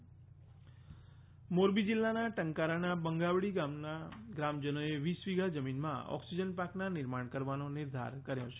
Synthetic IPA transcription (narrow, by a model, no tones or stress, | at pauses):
moɾbid͡ʒilːanaʈəŋkaɾanabəŋɡaʋɽiɡamnaɡɾamd͡ʒənoeʋisʋiɡad͡ʒəminmã̰ɔ̰ksid͡ʒənpaknanɪɾmaɳ̃kəɾʋanonɪɾd̪ʱa̰ɾkəɾjõt͡ʃʰe̥